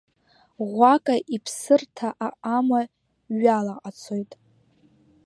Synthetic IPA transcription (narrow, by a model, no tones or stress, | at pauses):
ʁʷakʼaʔipʰsɨrtʰaʔaʔama | ɥalaʔat͡sʰojtʼ